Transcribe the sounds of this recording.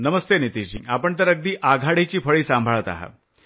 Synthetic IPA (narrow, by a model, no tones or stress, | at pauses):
nəməst̪enit̪iɕiapəɳt̪əɾəɡ̚d̪iːʔaɡʱaɽet͡ɕiːfəɭiːsãmbʱəɭət̪a̰ɦa̰